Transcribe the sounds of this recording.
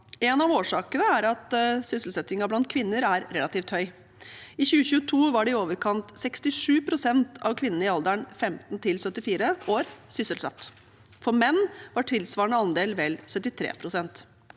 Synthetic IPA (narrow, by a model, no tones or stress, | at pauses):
ɛnɑʋoːʂɑːkənəæɾɑt̪sʏsəlsɛt̪ɪŋɑblɑnt̪̚kʰʋɪnːəɾæɾɾɛlɑt̪iːft̪hœʏ | ɪçʉːəçʉːət̪ʰuːʋɑɖɛɪoːʋəɾkʰɑnt̪sɛkst̪ɪʂʉːpʰɾʊsɛnt̪ʰɑ̰ʋkʰʋɪnːn̩əɪɑld̪əɳfɛmt̪nt̪ʰɪlsœt̪ːɪfiːɾəoːɾsʏsəlsɑ̰t̪ː | fɔɾmɛnːʋɑʈʰɪlsʋɑːɳəɑnd̪eːlʋɛlsœt̪ːɪt̪ʰɾḛːpʰɾʊsɛnt̪